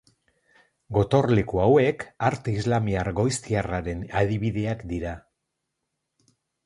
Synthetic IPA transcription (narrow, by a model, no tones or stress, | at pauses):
ɡo̞t̪o̞rle̞kuawe̞kaɾt̪eizlamiaɾɡo̞jst̪iaraɾe̞naðiβ̞iðe̞akd̪iɾa